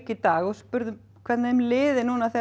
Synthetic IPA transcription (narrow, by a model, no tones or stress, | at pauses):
cɪt̪aːɣɔɣspʏɾðʏm | kʰvɛɾt̪nmlɪːðɪnuːnaθɛ